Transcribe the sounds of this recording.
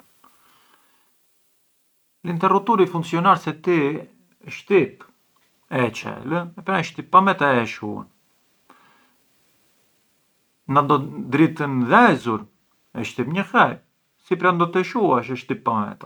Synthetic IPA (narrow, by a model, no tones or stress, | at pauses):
lint̪ɛrut̪uɾifuŋksiɔnaɾsɛt̪i | ʃt̪ip | ɛt͡ʃɛ̰ləɛpɾaʃt̪ipːamɛt̪aɛʃṵa̰n | nand̪ɔd̪ɾit̪ənðɛzuɾ | ɛʃt̪ipɲəxɛj | sipɾand̪ɔt̪ɛʃuaʃəʃt̪ipːamɛ̰t̪a